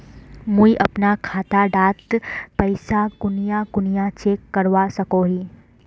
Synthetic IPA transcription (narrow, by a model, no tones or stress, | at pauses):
mũiʔɐ̰pnakʰaːt̪aɖaːt̪pəɪsaɡʊnjaɡʊnijat͡ʃeːkːəɾʋasɐkoɦiː